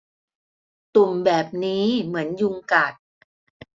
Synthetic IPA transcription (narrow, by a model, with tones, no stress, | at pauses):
t̪u˨˩mbɛː˨˩p̚niː˦˥mɯ˩˦ənju˧ŋkaː˨˩t̪̚